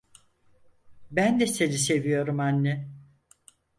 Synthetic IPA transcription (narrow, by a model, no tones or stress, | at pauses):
bænd̪ɛsenis̬e̞vijo̞ɾumanːɛ